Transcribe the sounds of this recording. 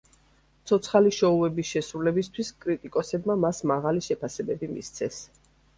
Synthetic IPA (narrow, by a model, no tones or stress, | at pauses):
t̪sʰɔt̪sʰχaliʃɔuɛbisʃɛsɾulɛbist̪ʰwiskʼɾit̪ʼikʼɔsɛbmamasmaʁaliʃɛpʰasɛbɛbimḭst̪sʰɛs